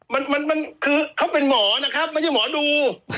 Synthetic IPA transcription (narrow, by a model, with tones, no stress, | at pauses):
ma˧nma˧nma˧nkʰɯː˧kʰa˦˥wpe˧nmɔː˩˦na˦˥kʰɾa˦˥p̚ma˧˥nt͡ɕʰa˨˩mɔː˨˩˦duː˧